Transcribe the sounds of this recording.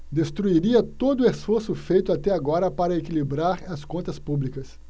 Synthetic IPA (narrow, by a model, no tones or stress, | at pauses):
d̪est̪ɾuiɾiɐt̪od̪ʊesfoɾsʊfejt̪ʊat̪ɛaɡɔɾɐpaɾɐekilibɾaɾɐskõnt̪ɐspublikɐs